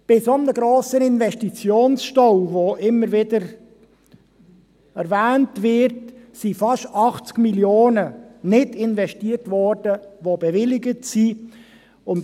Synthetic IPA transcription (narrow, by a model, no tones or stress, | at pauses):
b̥ɪsomnəɡɾoːsənɪnvɛʃtit͡sjoːnsʃtɔwvoʔɪmːəɾʋɪdəɾ | æɾvæːntvɪɾtsifɑʃtɑχt͡skmiljoːnənɪdɪnvɛʃtiːərtvɔrd̥əʋobɛvɪlɪɡətsi | ʊn